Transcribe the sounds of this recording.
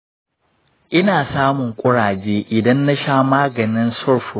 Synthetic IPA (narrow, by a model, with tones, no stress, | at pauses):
ʔɪ˦naː˨saː˦mʊ˨ŋkʷʼʊ˦ɽaː˨d͡ʒeː˦ʔɪ˨dɐ˦nːa˦ʃaː˦maː˦ɡɐ˨nɪ˦nsɔ˦˨rɸʊ˨